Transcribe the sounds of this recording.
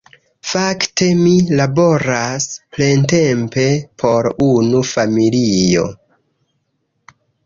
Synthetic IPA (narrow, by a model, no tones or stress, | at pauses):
fakte̞milabo̞ɾasple̞nte̞mpe̞pʰo̞ɾunufamilijo̞̰